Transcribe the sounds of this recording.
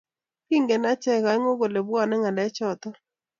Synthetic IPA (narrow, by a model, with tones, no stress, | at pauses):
pi˦ŋɡe˨na˦t͡ʃɛ˦ka˨˦ŋo˦ɡo˨le˨bwɔ˦nɛ˦ŋa˨ndɛ˨˦t͡ʃɔ˨t̪ɔ˦